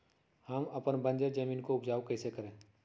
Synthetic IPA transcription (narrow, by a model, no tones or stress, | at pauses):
hɐmɐpənbə̃nd͡ʒed͡ʒɐmĩːnkoʊpd͡ʒaːokɛːsekɐɾẽː